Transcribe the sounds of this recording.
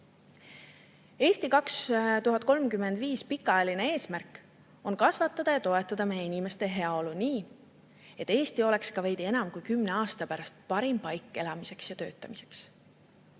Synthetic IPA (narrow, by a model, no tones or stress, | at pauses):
e̞ːst̪ikɑkst̪uɦɑt̪̚ːˑko̞lmkymːe̞nd̪viːspikːˑɑjɑline̞e̞ːsmærkˑ | o̞nkɑsvɑt̪ːˑɑd̪̥ɑjɑt̪o̞e̞t̪ːˑɑd̪̥ɑme̞jeinʲime̞st̪e̞ɦe̞ɑo̞luniː | e̞t̪ːˑe̞ːst̪io̞le̞kskɑvejd̪ie̞nɑmkujkymne̞ɑːst̪ɑpæɾɑst̪̚pɑɾimpɑjkːˑe̞lɑmise̞ksjɑt̪ø̞ːt̪ˑːɑmise̞̥ks